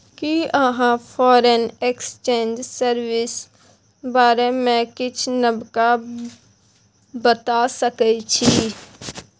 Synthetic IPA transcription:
kiəɦãpʰɔːɾəneːkst͡ʃẽːɲd͡ʒsəɾwɪs | baːɾemẽkɪt͡ʃʰnəbka | bət̪asəkət͡ʃʰi

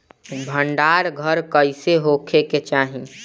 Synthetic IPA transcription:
bʱəɳɖaːɾɡʱəɾkəɪseɦokʰeket͡ʃaːɦĩ

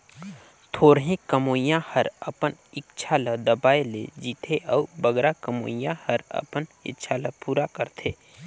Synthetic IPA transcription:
t̪ʰoːɾɦẽkəmoːjãhəɾəpənɪtːʃʰaləd̪əbaːelḛd͡ʒiːt̪ʰeʔɔːbəɡɾakəmo̰ːjãhəɾə̰pənɪ̰tːʃʰaləpuːɾakəɾt̪ʰeː

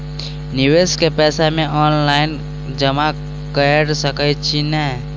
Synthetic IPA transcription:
nɪweskepɛːsamẽʔɔːnlaːɪn | d͡ʒəma | kəjəɾsəkəjt͡ʃʰinəː

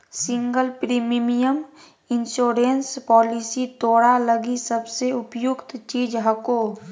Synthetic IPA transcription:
sɪ̃ŋɡəlpɾiːmimijəm | ɪnʃoːɾenspɔːlisit̪oːɽaləɡisəbseʊpjʊkt̪t͡ʃiːd͡ʒɦəkoː

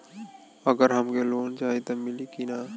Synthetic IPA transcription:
ɐɡəɾɦɐmkeloːnt͡ʃaːɦit̪amɪlikinaː

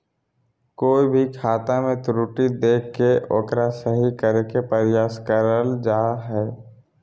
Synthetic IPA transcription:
koːibʱikʰaːt̪amẽt̪ɾuːʈid̪eːkːeʔoːkɾasəɦikəɾekepəɾɪjaːskəɾəld͡ʒaːɦɛː

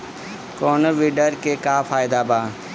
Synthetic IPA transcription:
koːnəʋiːɖəɾkekaːfʰaːɪd̪aːbaː

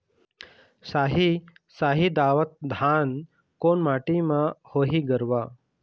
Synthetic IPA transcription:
saɦi | saɦid̪aʋət̪̚d̪ʱan | koɳmaʈimahoɦiːɡəɾʋa

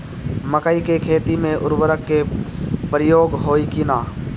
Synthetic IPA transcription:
məkəikekʰeːt̪imẽʔʊɾwəɾəkːepɾɪjoːɡɦoːikinaː

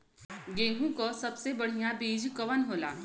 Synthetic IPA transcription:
ɡẽːɡũkosɐbsebɐɽ̤ijãbiːd͡ʒkɐʋənɦoːla̰ː

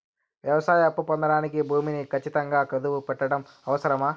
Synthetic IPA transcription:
ʋjɐʋɐsaːjɐɐpːupɔnd̪ɐɽaːnikibʱuːminikʰɐt͡ʃːit̪ɐŋɡaːkɐd̪uʋupɛʈːɐɽɐm | ɐʋɐsɐɾɐmaː

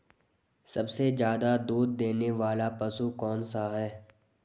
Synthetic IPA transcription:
sɐbsed͡ʒjaːd̪ad̪uːd̪̚ːeːneʋaːlapɐsukɔːnsaɦɛː

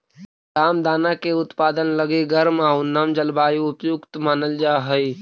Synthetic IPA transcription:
taːmd̪aːnakeʊt̪paːd̪ənləɡeɡəɾmaunaːmd͡ʒəlbaːjiʊpjʊkt̪maːnəld͡ʒaːɦəi

